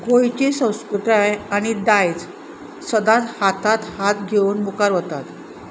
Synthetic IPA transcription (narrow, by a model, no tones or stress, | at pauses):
kojt͡ɕesə̃w̃skɾut̪ajaɽ̃id̪ajt͡s | səd̪at̪hat̪at̪hat̪ɡʱeunmukaɾʋət̪at̪